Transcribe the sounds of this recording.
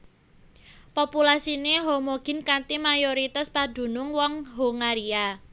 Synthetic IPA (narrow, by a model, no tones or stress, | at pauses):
populasineɦomoɡ̥ɪ̤nkant̪imajoɾit̪aspad̪̥ṳnʊŋwɔŋɦoŋaɾia